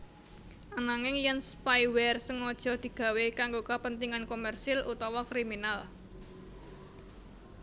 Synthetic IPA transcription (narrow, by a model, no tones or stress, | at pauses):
ʔanaŋɪŋjənspajwɛrsəŋɔd̥ʒ̥ɔ̤d̪̥i̤ɡ̥ä̤wekaŋɡokəpənt̪iŋankomɛrsɪlʔut̪ɔwɔkɾiminal